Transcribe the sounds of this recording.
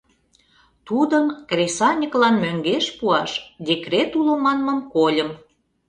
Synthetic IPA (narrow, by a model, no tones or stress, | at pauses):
t̪ud̪əmkrʲesɑnʲəklɑnmøŋɡeʃpuɑʃd̪ʲekret̪ulomɑnməmkolʲəm